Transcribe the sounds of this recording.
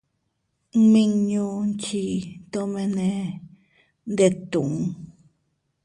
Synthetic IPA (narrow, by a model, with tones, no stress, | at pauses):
mĩ˦ɲũ˧nt͡ʃi˧t̪o˦mẽ˧nẽ˧ | nd̪e˧t̪u˨ŋ